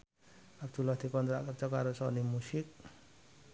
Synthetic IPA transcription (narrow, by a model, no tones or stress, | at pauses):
ab̚d̪ulɔhd̪ikɔnt̪ɾaʔkar̚t͡ʃɔkaɾosɔnimusik̚